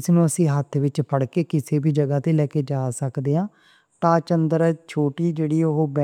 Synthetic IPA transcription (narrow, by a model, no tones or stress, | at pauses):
snũːəsĩːɦət̪ʰʋɪt͡ʃpəɽkeːkɪseːbʱiːd͡ʒəɡaːt̪eːlɛːkeːd͡ʒaːsəkd̪eːãː | ʈaːt͡ʃənd̪əɾɛːt͡ʃʰoːʈiːd͡ʒeːɽiːoɦoːbɛ